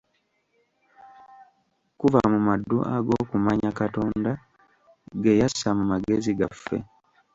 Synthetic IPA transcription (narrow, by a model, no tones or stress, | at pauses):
kuvamumadːuʔa̰ɡo̞ːkumaɲakato̞ːnda | ɡejasːamumaɡe̞ziɡafːḛ